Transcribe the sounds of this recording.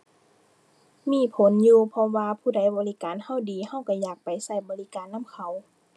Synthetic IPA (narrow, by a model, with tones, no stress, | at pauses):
miː˧˥˨pʰo˨˦njuː˧pʰɔ˧waː˧pʰuː˧˩da˧˦˩jbɔː˨˦li˦˧kaː˨nha˧˥˨wdiː˨˦ha˧˥˨wka˧˩jaː˨˩k̚pa˨jsa˧˩jbɔː˨˦li˦˧˥kaː˨˦nːa˧˥˨mkʰa˨˦w